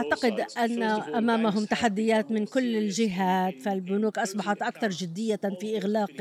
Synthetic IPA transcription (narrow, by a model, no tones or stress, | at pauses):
ʔaʕt̪aqɪd̪ʔanːaʔamaːmaɦʊmt̪aħad̪ːɪjaːt̪mɪnkʊlːɪlʒɪɦaːt̪falbʊnuːkʔɑsˤbɑħat̪ʔakθɑɾˤd͡ʒɪd̪ːɪjːafiːʔɪɣlaːq